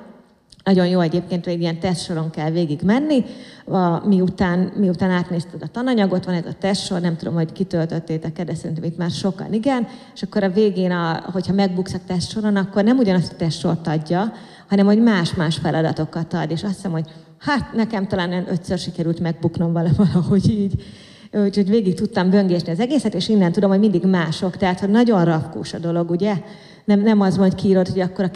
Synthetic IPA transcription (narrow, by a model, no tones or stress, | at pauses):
nɒɟo̞njoːɛɟeːpkeːnt̪ʋeːɡijɛnt̪ɛst̪ʃo̞ɾo̞ŋkɛlveːɡiɡmɛnːiɒmiut̪aːnmiut̪aːnaːt̪neːst̪ɛd̪ɒt̪ɒnɒɲɒɡo̞t̪ʋɒnɛzɒ̰t̪ɛst̪ʃo̞rnɛmt̪ud̪o̞mho̞ɟkit̪ølt̪ø̞t̪ːeːt̪ɛkːɛd̪ɛsɛɾint̪ɛmit̪maːrʃo̞kɒ̰niɡɛneʃɒkːo̞ɾɒveːɡeːnɒɦo̞chɒmɛɡ̚buksɒkt̪ɛst̪ʃo̞ɾo̞nɒkːo̞rnɛmuɟɒnɒst̪ɒ̥t̪ɛstʃo̞rt̪ɒɟːɒ | hɒnɛmho̞ɟmaːʃmaːʃfɛlʔɒd̪ɒ̰t̪o̞kːɒt̪ɒd̪eːʃɒst̪sɛmho̞ɟ | hat̪nɛkɛmt̪ɒlaːnojɑnøt̪sørʃikɛɾylt̪mɛɡ̚bukno̞ɱvɒlɒvɒlɒho̞ɟiːɟ | hoɟveːɡik̚t̪ut̪ːɒmbø̞ŋɡeːt̪niɒzɛɡeːsɛt̪eːʃinːɛnt̪ud̪o̞mho̞ɟmind̪iɡmaːʃo̞kt̪ɛɦat̪ho̞ɟnɒɟo̞nrɒfkṵːʃɒd̪o̞lo̞ɡuɟɛ | nɛmnɛmɒzmɒckiːɾot̪ho̞ɟɒkːo̞ɾɒ